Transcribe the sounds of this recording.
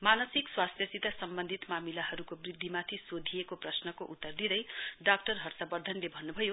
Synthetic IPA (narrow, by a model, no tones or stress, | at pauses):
manʌsikswast̪ʰjʌt͡sit̪asʌmbʌnd̪ʱit̪mamilaɦʌɾukobrid̪ʱːimat̪ʰisod̪ʱijekoprʌsnʌkoʔut̪ːʌrd̪id̪ʌjɖak̚ʈʌrɦʌrsabʌd̪ʱʌnlebʱʌnːubʱʌjo